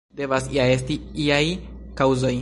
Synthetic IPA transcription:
de̞vasiaestiiajkawzo̞j

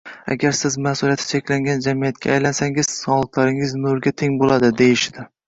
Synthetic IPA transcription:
a̰ɡʲaɾsɪzmasʊlijat̪ʰɪ̥t͡ʃʰekʲlaŋɡʲand͡ʒamijat̪̚kʲa̰ːjlansaŋɪz̥sɒlˠt̪ʰlaɾɪŋɪznʊɾɡʲat̪ʰeŋbolad̪ɪd̪ejɪʃɪd̪ɪ

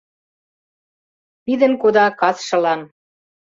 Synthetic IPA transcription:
pid̪ə̆nkod̪ɑkɑsʃɤ̆lɑn

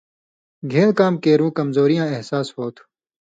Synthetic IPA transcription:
ɡʱeːɽkaːmkeːɾũːkəmzoːɾijãːeɦsaːshoːt̪ʰu̥

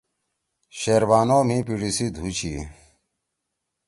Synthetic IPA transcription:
ɕeɾbaːnoːm̤ĩpiɽisid̪ʱut͡ɕi

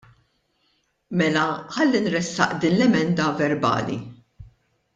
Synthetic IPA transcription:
mɛlɐħɐlːinɾɛsːɐ̰ʔd̪iːnlɛmɛnd̪ɐvɛɾbɐ̰ːlḭ

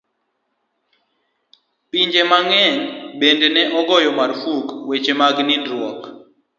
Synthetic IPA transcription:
piɲd͡ʒemaŋɛɲbendenɛʔɔɡɔjɔmaɾfukwet͡ʃemaɡnɪndɾwɔk

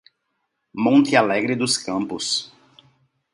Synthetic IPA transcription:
mõnt̪ɪalɛɡɾɪd̪ʊskɐ̃mpʊs

